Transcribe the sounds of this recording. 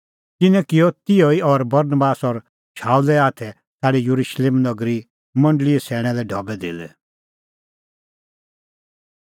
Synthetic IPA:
t̪ɪnɛ̃kɪjɔt̪ɪjoiɔɾbɐɾnbaːsɔɾ | ʃaːulɛaːt̪ʰɛ | t̪ʰaːɽijuɾuʃleːmnɐɡɾi | mɐ̃ɳɖliɛsʰɛːɽ̃ɛlɛɖʱɔbɛd̪eːlɛ

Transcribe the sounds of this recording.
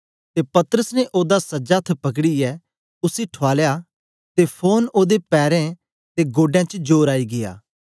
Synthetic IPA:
t̪epɐt̪əɾəsneʔoːd̪asɐd͡ʒaːt̪ʰpɐkɽiɛː | ʊsiʈʰoaːlja | t̪epʰoːnoːd̪epɛːɾẽ | t̪eɡoːɖjãt͡ʃd͡ʒoːɾaːiɡɪja̰ː

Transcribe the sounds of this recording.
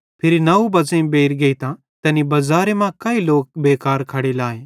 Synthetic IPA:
pʰɪɾinɐubɐzẽbeːɾɡɐit̪ã | t̪ɛ̃ːnibɐzaːɾemãkɐiloːk̚beːkaːɾkʰɐɽelaːeː

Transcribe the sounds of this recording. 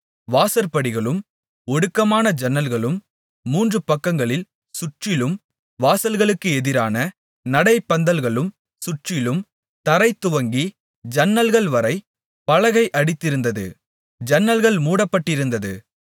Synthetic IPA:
ʋaːsɐɾpːɐɽɪɣɐɭɯm | ɔɽɯkːɐmaːnɐd͡ʒɐnːɐlɣɐɭɯmː | uːndrɯpɐkːɐŋɡɐɭɪl | sʊʈrɪlɯm | ʋaːsɐlɣɐɭɯkːɯɛðɪɾaːnɐ | nɐɽɐɪpːɐnd̪ɐlɣɐɭɯm | sʊʈrɪlɯm | t̪ɐɾɐɪt̪ːʊʋɐŋɡi | d͡ʒɐnːɐlɣɐɭʋɐɾɐɪ | pɐɻɐɣɐɪʔɐɽɪt̪ːɪɾɯnd̪ɐðɯ̰ | d͡ʒɐnːɐlɣɐɭmuːɽɐpːɐʈːɪɾɯnd̪ɐðɯ̰

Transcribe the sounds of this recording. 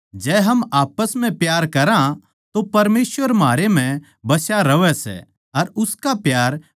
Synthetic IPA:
d͡ʒɛːɦɐmaːpəsm̤ɛ̃pjaːɾkɐɾã | t̪opɐɾmeːsʋəɾmɦaːɾem̤ɛ̃ | bɐsjaɾɐʋɛsɛ̰ | ɐɾʊskapjaːɾ

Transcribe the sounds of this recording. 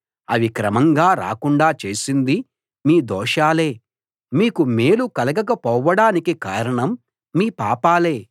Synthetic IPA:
ɐ̰ʋikɾɐmɐŋɡaːɾa̰ːkuɳɖaːt͡ʃe̞ːsind̪i | miːd̪ɔːʂaːle̞ː | miːkume̞ːlukɐlɐɡɐkɐpɔːʋːɐɽaːnikikaːɾɐɳɐmː | iːpaːpaːle̞ː

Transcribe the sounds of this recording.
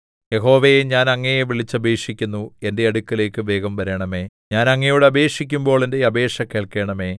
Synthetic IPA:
jeɦo̞ːʋejeɲaːnɐŋːɐjeʋiɭit͡ɕːɐbe̞ːkʂikʲːunːue̞nde̞ɐɽukːɐle̞ːkːɨʋe̞ːɡɐmʋɐɾɐɳɐme̞ː | ɲaːnɐŋːɐjuɽeɐbe̞ːʂik̬ʲːumbo̞ːɭende̞ɐbe̞ːʂɐke̞ːɭke̞ːɳɐme̞ː

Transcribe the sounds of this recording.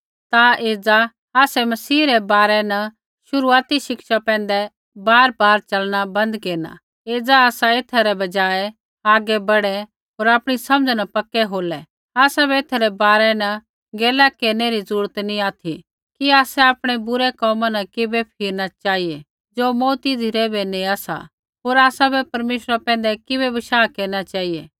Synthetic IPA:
t̪aeːd͡za | aːsɛmɐsiːɾɛbaːɾɛnɐ | ʃʊɾuaːt̪iʃɪkʃapɛ̃ːnd̪ɛ | baːɾbaːɾt͡ʃɐlɽ̃abɐ̃nd̪keːna̰ | eːd͡zaaːsaeːt̪ʰaɾɛbɐd͡ʒaːɛ | aːɡɛbɐɽɛ | ɦoːɾaːpɽ̃isɐ̃md͡znɐpɐkːɛɦoːlɛ | aːsabɛeːt̪ʰaɾɛbaːɾɛnɐ | ɡeːlakeːɾneɾizɐɾuːɾət̪nĩaːt̪ʰi | kiaːsɛaːpɽ̃ɛbʊɾɛkɔːmanɐkɪbɛpʰɪːɾnat͡ʃaːie | d͡ʒoːmɔːt̪id̪ʱɪɾɛbɛniaːsa̰ | ɦoːɾaːsabɛpɐɾmeːʃɾapɛ̃ːnd̪ɛkɪbɛbɐʃaːkeːɾnat͡ʃaːie

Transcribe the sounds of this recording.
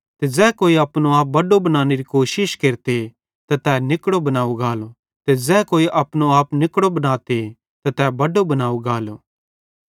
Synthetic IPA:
t̪ed͡ʒɛːkoːiɐpnoaːp̚bɐɖobɐnaːneɾikoːʃɪʃkeːɾt̪e | t̪ɐt̪ɛːnɪkɽobɐnaːuɡaːlo | t̪ed͡ʒɛːkoːiʔɐpñoaːpnɪkɽobɐnaːt̪e | t̪ɐt̪ɛːbɐɖobɐnaːuɡaːloː

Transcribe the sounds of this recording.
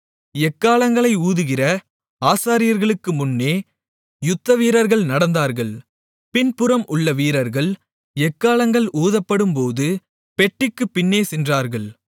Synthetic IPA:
ɛkːaːlɐŋɡɐɭɐɪuːðɯɣɪrɐ | aːsaːɾɪjɐɾɣɐɭɯkːɯmʊnːeː | jʊt̪ːɐʋiːɾɐɾɣɐɭnɐɽɐnd̪aːɾɣɐɭ | pɪnpɯɾɐmʔʊɭːɐʋiːɾɐɾɣɐɭ | ɛkːaːlɐŋɡɐɭuːðɐpːɐɽɯmpoːðɯ | pɛʈːɪkːɯpːɪnːeːsɛndraːɾɣɐɭ

